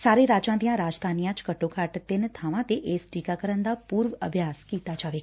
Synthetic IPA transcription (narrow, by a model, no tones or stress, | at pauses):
saːɾeɾaːd͡ʒãt̪jãɾaːd͡ʒd̪ʱaːnijãt͡ʃkəʈokʰaːʈt̪enet̪ʰaːʋãt̪eʔeːsʈiːkakəɾənd̪apuːɾʋə̰bʱjaːskiːt̪ad͡ʒaːʋeː